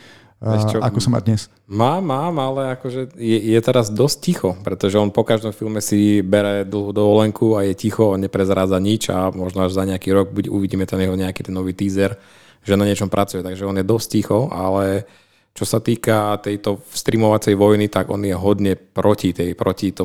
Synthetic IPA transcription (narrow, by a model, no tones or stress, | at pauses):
ɛt͡ʃɔakɔsɔma̰d̪ɲɛs | maːmːaːmalɛakɔʒɛjɛjɛt̪ɛɾazd̪ɔsc̚cixɔpɾɛt̪ɔʒɛɔnpɔkaʒd̪ɔmfilˠmɛsibɛɾɛd̪l̩ˠɦud̪ɔʋɔlɛŋkʰuajɛcixɔɔnɲɛpɾɛzɾaːd͡zaɲit͡ʃa̰mɔʒnɔaʒzaɲɛakiːɾɔɡ̚buɟɛuʋiɟiːmɛt̪anjɛɦɔɲɛakiːt̪ɛnːɔʋiːt̪iːzɛɾ | ʒɛnaɲɪɛt͡ʃɔmpɾʔat͡sujɛt̪aɡʒɛɔnjɛd̪ɔsc̚cixɔa̰lɛ | t͡ʃɔsat̪iːkat̪ɛjt̪ɔst̪ɾimɔʋat͡sɛjʋɔjnit̪aɡɔ̰njɛɦɔd̪ɲɛpɾɔcit̪ɛjpɾɔcit̪ɔ